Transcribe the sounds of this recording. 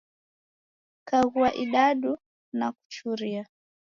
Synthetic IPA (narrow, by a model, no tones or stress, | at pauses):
kaɣuaʔiɗaɗu | naku̥t͡ʃuɾia